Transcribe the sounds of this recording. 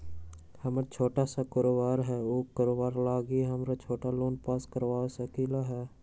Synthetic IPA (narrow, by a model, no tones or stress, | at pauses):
həmɾat͡ʃʰoːʈasakoːɾoːbaːɾɦɛːoːkəɾoːbaːɾlaːɡiɦəmɾat͡ʃʰoːʈaloːnpaːskəɾʋaːsəkilaɦɛː